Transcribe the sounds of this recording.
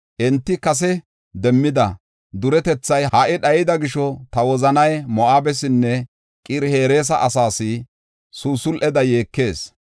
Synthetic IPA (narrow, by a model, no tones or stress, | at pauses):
ʔɛnt̪ːɪkɐs̬ɛ | d̪ɛmːɪd̪ɐ | d̪ʊɾɛt̪ɛt͡sːɐjhaʔɪɗɐjɪd̪ɐɡɪʃɔt̪ɐwɔzɐnɐjmɔʔaːbɛs̬ɪnːɛ | kʼiɾhe̞ːɾe̞ːs̬ɐʔɐsaːsɪ | suːsʊlʔɛd̪ɐjeːkːe̞ːs